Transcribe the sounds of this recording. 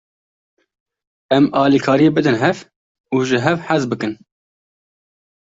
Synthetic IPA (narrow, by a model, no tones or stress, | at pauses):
ɛmɑːliːkʰɑːɾijebɨd̪ɨnɦɛv | uːʒɪɦɛvħazbɨkɨn